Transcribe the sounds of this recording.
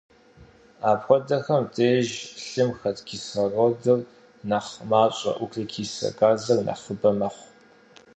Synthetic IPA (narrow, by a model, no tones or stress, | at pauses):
aːpxʷɔdɐxɐmtʰʼeːʒɬɨmxɐtʼkʰiːsɐrodɨr | nɐχmaːɕʷʼɐ̰ʔʷʊkʰɐkʰiːsɐ̰kʼaːzɐrnɐ̰χəbɐmɐχʷ